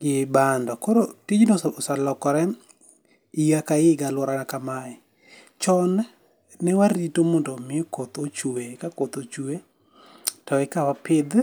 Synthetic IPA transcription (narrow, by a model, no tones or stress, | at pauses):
ɡɪbandɔkoɾotid͡ʒnosalɔkɔɾɛ | ijakaɪɡalwɔɾanakamaɛ | t͡ʃɔn | nɛwaɾitomondomɪokot̪ot͡ʃuekakot̪ot͡ʃue | tɔɛkawapɪd̪